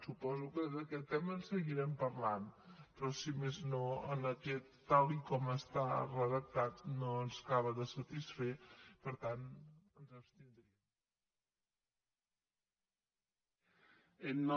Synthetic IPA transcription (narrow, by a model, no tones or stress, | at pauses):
supɔzukəðəkɛt̪ːɛmənsəɣiɾɛmpəɾlanpɾɔsimeznoənəkɛt̪ːalˠikɔməst̪arəðək̚t̪at̪noənzkaβ̞əðəsət̪isfepəɾt̪anənzəpst̪ind̪ɾiəm | ənː